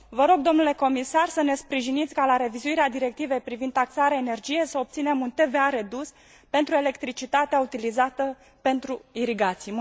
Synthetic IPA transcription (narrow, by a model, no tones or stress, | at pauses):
vəɾo̞ɡ̚d̪o̞mnule̞ko̞misarsəne̞spɾiʒinit̪sʲkalaɾe̞vizuiɾead̪iɾe̞k̚t̪ive̞jpɾivind̪t̪aksaɾeaene̞rd͡ʒije̞səop̚t̪sine̞munt̪e̞ve̞aɾe̞d̪us | pe̞nt̪ɾue̞le̞kt̪ɾit͡ʃit̪at̪eaut̪ilizat̪ə | pe̞nt̪ɾuiɾiɡat̪sij